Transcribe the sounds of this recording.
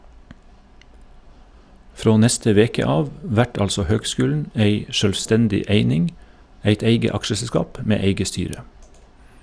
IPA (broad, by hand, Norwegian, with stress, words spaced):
ˈfɾoː ˈnɛstə ˈʋeːkə ˈɑːʋ ˈʋæʈ ˈɑlsɔ ˈhøːɡˌskʉːln̩ ˈeɪ ʃœlʋˈstɛndɪ ˈeɪnɪŋ ˈæɪt ˈeɪɡə ˈɑkʃəsɛˌskɑːp ˈmeː ˈeɪɡə ˈstyːɾə